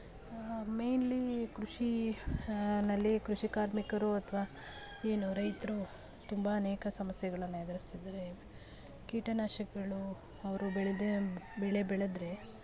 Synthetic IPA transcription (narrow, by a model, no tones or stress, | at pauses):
mejnlikɾuʂi | nɐlːikɾuʂikaːɾmikɐɾuɐt̪ʰɐʋaː | e̞ːnuɾɐjt̪ɾu | t̪umbɐːneːkɐsɐmɐsjɐɡɐɭɐnːued̪ɐɾist̪id̪ɾe̞ | kiːʈɐnaːʃɐkɡɐɭu | ɐʋɐɾubɛɭed̪ebɛɭebɛɭed̪ɾe̞